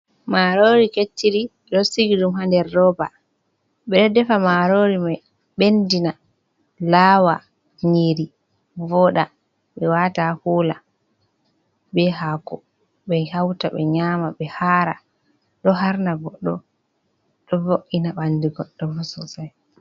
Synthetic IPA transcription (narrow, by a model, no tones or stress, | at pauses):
maɾoɾiketːiɾi | ɗɔsiɡiɗumɦandɛɾːɔba | ɓɛɗɛdɛfamaɾoɾimaj | ɓendina | laːwa | ɲiɾi | vɔɗa | ɓɛwatahuːla | bɛɦakɔ | ɓɛhawtaɓɛ̰ɲamaɓɛhaɾa | ɗɔɦaɾnaɡɔɗːɔ̰ | ɗɔvoʔinaɓandiɡɔɗːɔmɔsɔsaj